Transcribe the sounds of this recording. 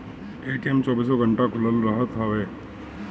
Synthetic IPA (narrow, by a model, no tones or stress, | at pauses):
eːʈemt͡ʃɔːbiːsɔɡʱə̃ɳʈakʰʊləlɾəɦət̪ɦaʋeː